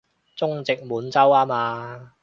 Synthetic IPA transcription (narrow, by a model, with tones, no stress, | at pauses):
t͡sʊ˥ŋt͡sɪ˨k̚muː˨˥nt͡sɐ˥waː˥maː˧